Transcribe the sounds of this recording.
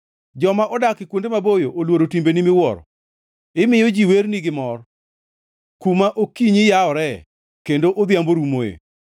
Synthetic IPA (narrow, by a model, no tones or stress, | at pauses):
d͡ʒɔmaʔɔdakɪkwondemabojoʔolwoɾotimbenimɪwɔɾɔ̰ | ɪmɪjɔd͡ʒiwerniɡɪmɔr | kumaʔokiɲɪjaɔɾɛ | kendoʔod̪jamboɾumoḛ